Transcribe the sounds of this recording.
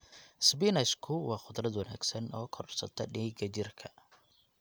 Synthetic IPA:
sbinɐskʰʊwɑːχʊd̪rɐd̪wɐna̰ːɡsɐnɔːkʰɔrrsɐ̰t̪ʰɐɗiːɡɐt͡ʃɪrkʰɐ̥

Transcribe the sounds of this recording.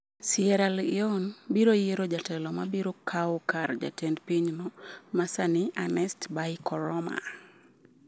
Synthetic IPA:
siɛɾalɪɔnbiɾojeɾɔd͡ʒatɛlɔmabiɾɔkʰawɔkard͡ʒa̰tɛndpiɲnɔmasanɪʔanɛstbajkɔɾɔma̰

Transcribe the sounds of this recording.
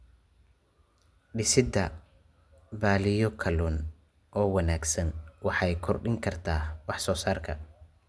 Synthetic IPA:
ɖɪsɪd̪ɐ | baːlɪjɔkʰɐluːn | ʔɔːwɐnaːɡsɐnwɑħɑjkʰɔrɖɪŋkʰɐrt̪ʰaːwɑħsɔːsaːrkʰɐ

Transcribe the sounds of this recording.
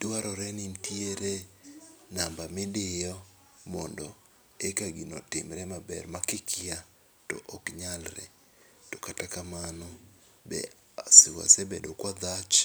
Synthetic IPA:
dwaɾɔɾɛnintieɾe | nambamedɪjɔ | mɔndɔ | ekaɡinɔtɪmɾɛmabɛɾmakɪkʰia | tɔ̰ʔokɲalɾɛ̰ | tokatakamanɔ | bɛ̰ | asɪwa̰sebedokwad̪at͡ʃ

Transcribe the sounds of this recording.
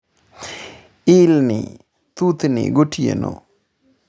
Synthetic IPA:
ilnḭ | t̪ut̪nḭɡoʈijḛno̰

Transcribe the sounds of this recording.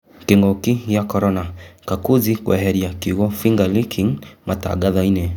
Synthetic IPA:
kiŋɡɔkijakɔɾɔnakakuzikwʔa̰ɦɛɾijakiɣɔfiŋɡalikʰiŋmata̰ɡaðainɛ

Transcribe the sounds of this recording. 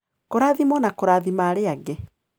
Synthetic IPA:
koɾaːðimɔnakoɾaːðimaːɾeaɡe

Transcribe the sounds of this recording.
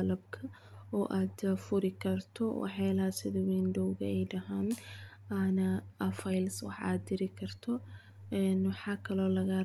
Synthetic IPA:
lɐbkʰɐ | ɔːʔaːd̪fʊɾɪkʰɐrt̪ʰɔwɑ̰ħlasɪðɐwiːnɖɔwɣɐ̰ɛjɖɐɦaːn | ɐnɐɐfɐjlswɑ̰ħa̰ːd̪ːɪɾɪkʰɐrt̪ʰɔ | ɛnwɑħɑːkʰɐlɔːlɐɣɐ

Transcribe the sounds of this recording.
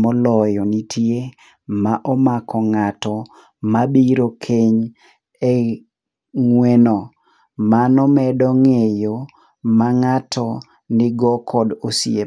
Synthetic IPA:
mɔlɔjɔnitʰje | maʔɔmakʰɔŋatɔ | mabiɾokʰeɲ | e | ŋwenɔ | manɔmɛdɔŋejo | maŋatʰɔ | nɪɡɔkʰɔdosje

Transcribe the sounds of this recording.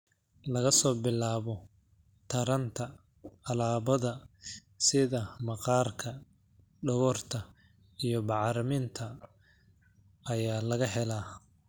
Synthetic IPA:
lɐɣɐsɔːbɪlːaːβɔ | t̪ʰɐɾɐnt̪ʰɐ | ɐlaːβɐðɐ | sɪðɐmɑqɑːrkʰɐ | ɖɐɣɔːrt̪ʰɐ | ijɔbɑʕɾɐmɪnt̪ʰɐ | ɐjaːlɐɣɐɦɛlaː

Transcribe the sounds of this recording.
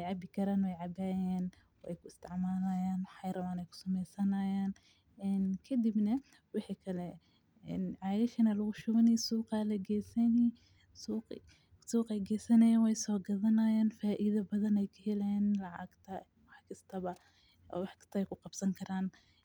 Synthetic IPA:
wɛjʕɑbɪkʰɐɾaːnwɛjʕɑbaːjaːn | wɛ̰jkʰʊɪst̪ʰɪʕmaːlɐjaːnħɑjɾɐmaːnɛjkʰʊ̥sɐmɛjsɐnɐjaːn | ʔɛnkʰɐd̪ibnɐ | wɑħiːkʰɐlɛ | ɛnʕɑːɣɪʃɐnɐlɐɣʊʃʊɣɐnɛjsuːqaːlɐɡɛsɐni | suːq | suːqɛjɡɛːsɐnɐjaːnwɛjsɔːɡɐðɐnɐjaːnfaːʔiðɐbɐðɐnɛjkʰɐhɛlɛːnlɑʕɑ̰ɡt̪ʰɐ | wɑħkʰɐst̪ʰɐβɐ̰ː | wɑħkʰɐ̥st̪ʰɐɛjkʰʊqɑb̥sɐŋkʰɐɾaːn

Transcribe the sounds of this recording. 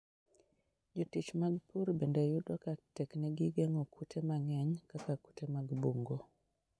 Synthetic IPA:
d͡ʒotit͡ʃmaɡpuɾbendajʊdwakatɛknɛɡɪɡɛŋɔkʰutʰemaŋɛɲkakaku̥temaɡboŋɡo

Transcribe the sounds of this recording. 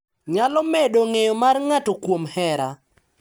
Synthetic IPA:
ɲalɔmedoŋejɔmarŋatɔkwomhɛɾa

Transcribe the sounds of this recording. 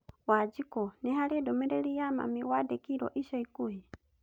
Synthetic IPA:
wad͡ʒikɔnɛɦaɾidɔmɛɾɛɾiama̰miwadɛkiɾɔ̰ʔisɔikuhi

